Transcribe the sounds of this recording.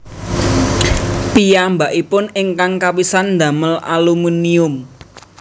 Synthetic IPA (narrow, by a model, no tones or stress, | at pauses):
pijambaʔipʊnɪŋkaŋkawisand̪a̤məlʔa̰lumuniʊm